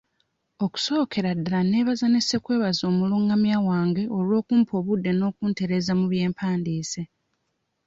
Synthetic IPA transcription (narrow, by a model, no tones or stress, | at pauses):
o̞ku̥so̞ːkʰe̞ɾadːalane̞ːβazanise̞kwe̞ːβazo̞ːmuluːŋɡamjaːwaːŋɡe̞ʔo̞lwo̞ːkuːmpʰo̞ːβudːe̞no̞ːkuːnte̞ɾe̞ːzamuβje̞ːmpʰaːndiːse